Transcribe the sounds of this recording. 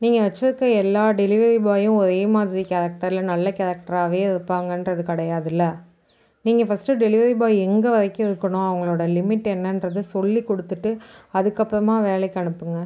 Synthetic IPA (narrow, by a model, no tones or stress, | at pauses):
niːŋɡɐʋɐt͡ʃːɐðɯkːɐɛlːaːɖɛlɪʋɐɾibaːjʊ̃ɔɾeːmaːðɪɾikɐɾɐk̚ʈɐɾɪlɐnɐlːɐkɛlɐk̚ʈɐɾaːʋeːɪɾɯpːaːŋɡɐndrɾɐðɯkɐɽɐjaːðɪlːɐ | niːŋɡɐfɐsʈɯɖɛlɪʋɐɾibaːɛŋɡɐʋɐðɐɪkːɯ̃ɪɾɯkːɐɳʊ̃ɐʋɐŋɡɐɭoːɽɐlɪmɪʈːɛnːɐndɾɐðɯsɔlːikɔɽɯt̪ːɯʈːɯɐðɯkːɐpːɾɐmaːʋeːlɐɪkːɐɳɯpːɯŋɡɐ